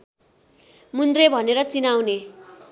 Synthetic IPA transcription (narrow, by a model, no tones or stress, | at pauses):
mund̪rebʱʌneɾʌt͡sinawne